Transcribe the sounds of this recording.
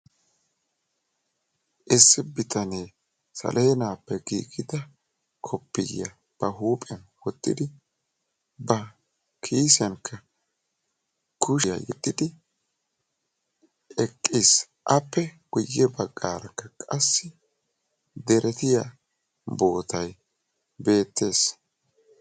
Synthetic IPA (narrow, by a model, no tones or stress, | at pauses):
ʔɪsːɪbɪt̪ʰɐneː | sɐ̰lʔeːnaːpːɛɡḭːɡɪd̪ɐ | kʰɔpːɪ̰jɐ̰ | b̥ɐɦuːpʼɪɐnwɔt̪ʼːɪd̪ɪ | bɐ | kʰiːsɐnkʰːɐ | kʰʊʃjɐ̰jɛd̪ʼːɪd̪ɪ | ɛkʼːis | ʔɐpːɛɡ̥ʊjːɛbɐɡʼːaːɾɐkːɐkʼɐsːɪ | d̪ɛɾɛt̪ɪja | bo̞ːt̪ʰɐj | be̞ːt̪ːe̞ːs